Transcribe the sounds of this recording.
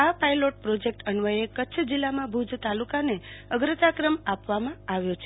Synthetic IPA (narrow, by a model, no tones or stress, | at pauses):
apajloʈ̚pɾod͡ʒek̚ʈəɳʋəjekətːt͡ʃʰəd͡ʒilːamãbʱud͡ʒʱt̪alukaneəɡɾət̪akɾəmapʋamãaʋjot͡ʃʰe